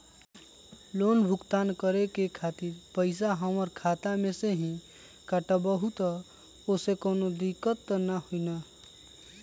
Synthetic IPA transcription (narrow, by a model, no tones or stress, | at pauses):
lonbʱʊkt̪aːnkəɾekekʰat̪iɾpəɪs̬aɦəməɾkʰat̪amẽseɦĩ | kəʈəbəɦut̪ə | osekoːnod̪ikət̪ːnahoina